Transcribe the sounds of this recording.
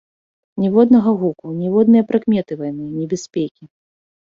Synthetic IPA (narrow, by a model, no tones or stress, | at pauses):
nʲɛvɔd̪nɐɣɐɣukunʲɛvɔd̪nɨjɐpɾɐkmʲɛt̪ɨvajnɨjɐnʲɛbʲɛsʲpʲekʲi